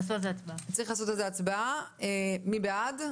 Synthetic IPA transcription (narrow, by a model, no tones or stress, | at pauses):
sotezeat͡sbaat͡saʁiχlaːso̞t̪ezeat͡sbaaemibead